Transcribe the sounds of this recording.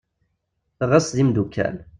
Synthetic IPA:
θəʁəsðimd̪ukʰːæ̰l

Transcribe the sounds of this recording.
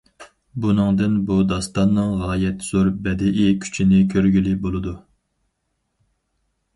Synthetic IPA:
bunɨŋd̪ɨnbud̪ɑst̪ɑnːɨŋʁɑːjɛt̪z̥oɾbɛd̪ɛʔikʲʰy̥t͡ʃʰinɪkʲʰøɾɡʲylibolˠɨd̪u

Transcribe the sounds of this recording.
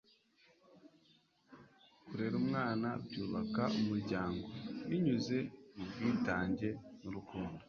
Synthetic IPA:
kuɾe̞ːɾumŋaːnabɟuːβakaʔumuɾɟaːŋɡo̞iɲuze̞mubɡiːtaːɲɟe̞nuɾukuːndo

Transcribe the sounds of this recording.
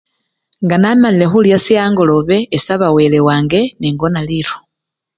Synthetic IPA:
ŋɡanamalile̞xuljasijaːŋɡo̞lo̞βe̞ːsaβawelewaːŋɡe̞niŋɡo̞naliɾo

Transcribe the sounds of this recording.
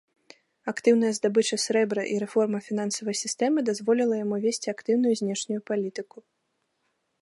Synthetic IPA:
akt̪ɨwnɐjɐzd̪abɨt͡ʂɐsʲɾɛbɾɐʔiɾɛfɔrmɐfʲin̪ansɐvɐjsʲist̪ɛmɨd̪azvɔlʲilˠɐjamuvʲesʲt͡sʲiakt̪ɨwnʊjuzʲnʲɛʂnʲujupalʲit̪ɨku

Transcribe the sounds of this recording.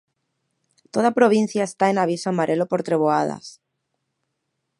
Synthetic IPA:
t̪oð̞apɾoβ̞in̟θjaest̪aenaβ̞isoamaɾʔelopo̞ɾt̪ɾeβ̞oað̞a̰s

